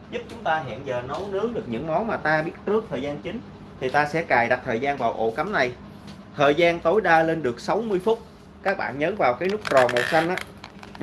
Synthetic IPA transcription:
zʊ˦˥p̚t͡ɕʊ˨˦ŋ͡mt̪aː˧ɦḭ˧˨ənzəː˨˩nə˨˦wnɨ˨˦əŋɗɨ˨˩ək̚ɲɨ̰˧˥ŋmɔ˨˦nmaː˨˩t̪aː˧ɓi˦˥ət̚t͡ɕɨ˦˥ək̚t̪ʰəː˨˩jzaː˧nt͡ɕï˨˦ŋ̟ | t̪ʰi˨˩t̪aː˧sɛ̰˧˥kaː˨˩jɗa˨˩t̚t̪ʰəː˨˩jzaː˧nvaː˨˩wʔo̰˧˩ka˨˦mna˨˩j | t̪ʰəː˨˩jzaː˧nt̪o˨˦jɗaː˧le˧nɗɨ˨˩ək̚sa˨˦wmɨ˧əjfʊ˦˥t̚ | kaː˦˥k̚ɓa̰ː˧˨nɲəː˨˦nvaː˨˩wkaː˨˦jnɨ˦˥k̚ɾɔ˨˩mo̰˨˩t̚sa˧jŋ̟ʔaː˨˦˥

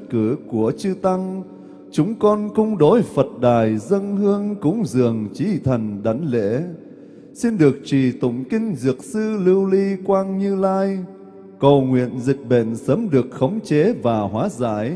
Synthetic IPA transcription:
kɨ˧˩ku˧˩ət͡ɕɨ˧t̪a˧ŋ | t͡ɕʊ˨˦ŋ͡mkɔ˧nkʊ˧ŋ͡mɗo˨˦jfə˨˩t̚ɗaː˨˩jzə˧nhɨ˧əŋkʊ̰˧˥ŋ͡mzɨ̰˨˩əŋt͡ɕi˨˦t̪ʰə˨˩nɗa˨˦jŋ̟lḛ˧˥ | si˧nɗɨ˨˩ək̚t͡ɕi˨˩t̪ʊ̰˧˨ŋ͡mkï˧ŋ̟zɨ˨˩ək̚sɨ˧lɨ˧wli˧kwaː˧nɲɨ˧laː˧j | kə˨˩wŋwḭ˧˨ənzï˨˩k̟̚ɓḛ˧˨nsəː˨˦mɗɨ˨˩ək̚xə˨˦wŋ͡mt͡ɕe˨˦vaː˨˩ɦwaː˨˦za̰ː˧˩˨j

